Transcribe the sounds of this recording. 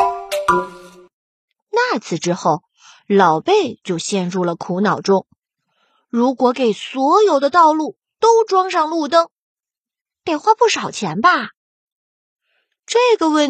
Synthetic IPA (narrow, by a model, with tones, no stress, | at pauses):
na˥˩t͡sʰɹ̩˨˩ʈ͡ʂɻ̩˥xo˥˩ʊ | lɑ˨˩ʊpe˥˧ɪt͡ɕjo˥˧ʊɕjɛ˥˧nɻu˥˩lə˩kʰu˧˥nɑ˨˩ʊʈ͡ʂʊ˥ŋ | ɻu˧˥kwɔ˧˥ke˨˩ɪswɔ˧˥jo˨˩ʊd̪ə˦t̪ɑ˥˧ʊlu˥˩ | t̪o˥ʊʈ͡ʂwɑ˥ŋʂɑ˥˧ŋlu˥˩t̪ɤ˥ŋ | t̪jɛ˨˩nxwa˥˧pu˥˩ʂɑ˨˩ʊt͡ɕʰjɛ˧˥nbɐ˥˧ | ʈ͡ʂɤ˥˩ɡə˩wə˥˩